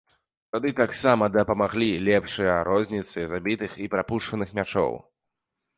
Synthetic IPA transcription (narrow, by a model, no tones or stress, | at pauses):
t̪ad̪ɨt̪aksamɐd̪ɐpɐmaɣlʲilʲɛpʂɨjɐɾɔzʲnʲit̪sɨzabʲit̪ɨxipɾapuʂt͡ʂɐnɨxmʲat͡ʂɔ̰w